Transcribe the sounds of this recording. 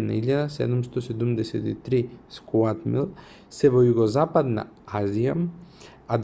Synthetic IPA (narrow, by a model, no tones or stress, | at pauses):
na̰iʎːad̪asɛ̰d̪umst̪ɔsɛd̪umd̪ɛsɛt̪it̪ɾiskuat̪milˠ | sɛvojuɡozapad̪na̰aziam | ad̪